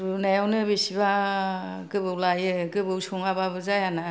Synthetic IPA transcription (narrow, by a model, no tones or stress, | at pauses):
ɾunajawnɯbesiba | ɡɯbɯwlajɯɡɯbɯwsoŋababɯzajana